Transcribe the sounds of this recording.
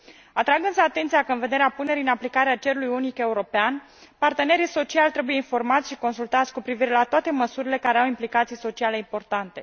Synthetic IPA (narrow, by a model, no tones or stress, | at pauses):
at̪ɾaɡɨnsəat̪ent̪sijakəɨnve̞d̪e̞ɾeapune̞ɾiɨnaplikaɾeat͡ʃe̞ɾulujunike̞uɾo̞pean | part̪e̞ne̞ɾiso̞t͡ʃialt̪ɾe̞buje̞info̞rmat̪sʲʃiko̞nsult̪at̪sʲkupɾiviɾe̞lat̪oat̪e̞məsuɾile̞kaɾe̞awimplikat̪sijso̞t͡ʃiale̞impo̞rt̪ant̪e̞